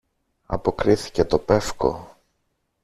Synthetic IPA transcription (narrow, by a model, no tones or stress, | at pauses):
ɐ̰po̞kɾiθi̥ce̞t̪o̞pe̞fko̞̰